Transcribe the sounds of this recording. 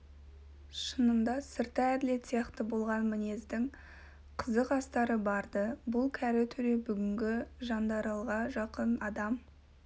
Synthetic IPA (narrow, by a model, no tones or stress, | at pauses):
ʃənəmd̪ɑsɪɾt̪ɑæd̪ɪle̞t̪sijɑqt̪əbo̞lˠʁɑnmɪne̞zd̪ɪŋ | qʰəzəqɑst̪ɑɾəbɑɾd̪əbʊlˠkʲʰæɾɪt̪ʰʏɾe̞bʏɡʲɪŋɡʲɪʒɑnd̪ɑɾɑlˠʁɑʒɑqənɑd̪ɑm